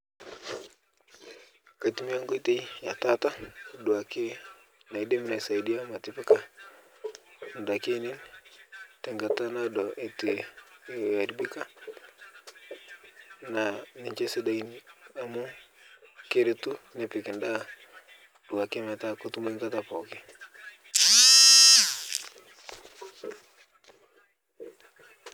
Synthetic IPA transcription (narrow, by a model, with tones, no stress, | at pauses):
ka˨ti˨mi˦a˦ŋɡo˦i˦te˦ja˨ta˦ta˦du˨a˨ke˦ | na˨i˨de˦mi˦na˨i˨sa˨idi˦a˦ma˨ti˨pi˦ka˦ | ndake˦ni˦n | tɛŋɡa˨ta˦nadɔʔi˨ti˨ | a˨ɾibi˦ka˦ | na˨nɪ˨ɲt͡ʃe˦se˦da˨ina˨mʊ˦ | ke˦ɾɪ˦tu˦ne˨pɪ˨kɪ˨nda˦ | d̥u˨wa˨ke˦mɛ˨ta˦ko˦tu˦me˦ŋka˦ta˨pɔ˨kɪ˦